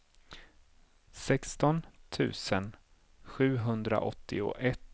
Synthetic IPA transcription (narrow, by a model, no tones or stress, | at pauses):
sɛkst̪ɔnt̪ʰʉ̟ːsən | ɧʉ̟ːɦɵnd̪ɾa̰ʔɔt̪ʰːɪʊ̰ʔɛt̪ː